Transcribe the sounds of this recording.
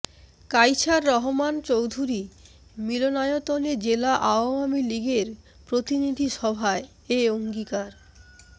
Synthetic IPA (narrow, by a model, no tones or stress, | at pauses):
kajt͡ɕaɾːɔɦomant͡ɕowd̪ʱuɾi | milonajot̪oled͡ʑelaʔaoamiliɡeɾ | pɾot̪inid̪ʱiʃɔbʱae | eoŋɡikaɾ